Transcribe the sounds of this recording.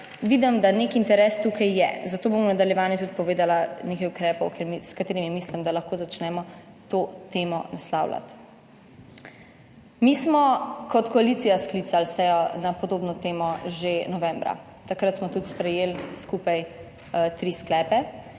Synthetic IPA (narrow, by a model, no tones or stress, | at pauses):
ʋiːd̪əmd̪anekint̪ɛɾɛːst̪ukʰajːɛ̰zat̪oːbomɔnad̪aljɛʋaːnjɛt̪ut̪̚pɔʋeːd̪alaneːkajukɾɛːpɔwkʰeɾmiskat̪eːɾimimislimd̪alaxkoːzat͡ʃnɛmɔ | t̪ot̪eːmɔnasla̰wla̰t̪ | miːsmɔkɔt̪kɔalit̪sijasklit̪salsɛjɔnapɔd̪oːbnɔt̪eːmɔʒenɔʋɛ̃mbɾa̰ | t̪akɾat̪smɔt̪ut̪spɾɛjeːlskupaj | t̪ɾiːsklɛːpɛ